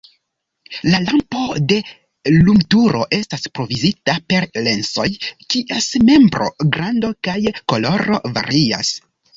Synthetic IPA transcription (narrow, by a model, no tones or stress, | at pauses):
lalampo̞de̞ | lumtuɾo̞̰ʔe̞staspɾo̞vizitape̞ɾle̞nso̞jkiʔesme̞mbɾo̞̰ɡɾando̞kajko̞lo̞ɾo̞va̰ɾia̰s